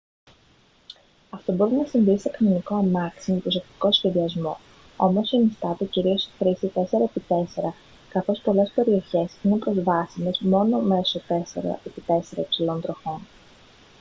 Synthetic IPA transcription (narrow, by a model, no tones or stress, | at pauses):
ɐft̪o̞bo̞ɾinɐsinðist̪ekɐnoniko̞ɐmɐksimepɾosekt̪i̥ko̞sçe̞ðiɐzmo̞̰ | o̞mo̞senist̪ɐt̪eciɾio̞sxɾisit̪e̞se̞ɾɐepit̪e̞se̞ɾɐ | kɐθo̞spo̞le̞spe̞ɾio̞çe̞sinepɾo̞zvɐsine̞zmo̞no̞me̞so̞t̪e̞sḛɾɐ̰ʔe̞pit̪e̞se̞ɾɐipsilo̞nd̪ɾo̞xo̞n